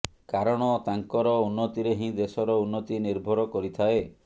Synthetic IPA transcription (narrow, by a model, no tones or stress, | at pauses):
kaɾɔɽ̃ɔt̪aŋkɔɾɔunːɔt̪iɾeɦĩd̪esɔɾɔunːɔt̪iniɾbʱɔɾɔkɔɾit̪ʰae